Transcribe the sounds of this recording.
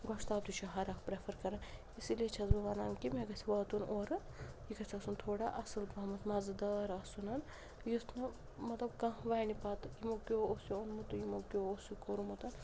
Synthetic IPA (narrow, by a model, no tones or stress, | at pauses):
ɡɐʂt̪aːt̪ut͡ʃʰiɦɐɾakpɾepʰɐɾkɐɾɐn | isiliet͡ʃʰɐzbɐʋaːna̰ːnkimeɡɐsʰʲiʋɐːt̪unoːɾ | jikɐsʰʲɐsunt̪ʰoːɽaʔɐsɐlbɐːmɐt̪mɐzɨd̪ɐɾɐsunɐn | jusnɐ | mɐt̪lɐb̚kɐ̃ʋajnipaːt̪ɨjimokʲoosionmut̪ujimokʲoosukoɾumut̪ɐn